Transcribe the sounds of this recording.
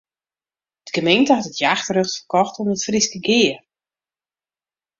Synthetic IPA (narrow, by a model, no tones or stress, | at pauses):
əd̥ɡəmejntəɦatətjaːxtrøxtfərkɔxtɔmdətfriskəɡɪːər